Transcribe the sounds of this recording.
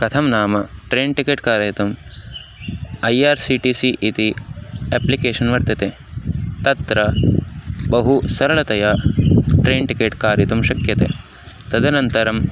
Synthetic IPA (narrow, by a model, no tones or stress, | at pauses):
kɐt̪ʰɐmnaːmɐʈɾeːnʈikeːʈkaːɾjɐɦit̪um | ɐjaːɾsiʈiːsiʔit̪ieːplikeːʂɐnʋɐɾt̪ɐt̪eː | t̪ɐt̪ɾɐ | bɐɦusɐɾɐɭɐt̪ɐjaːʈɾeːnʈikeːʈkaːɾjɐt̪umʃɐkjɐt̪ḛː | t̪ɐd̪ɐnɐnt̪ɐɾɐm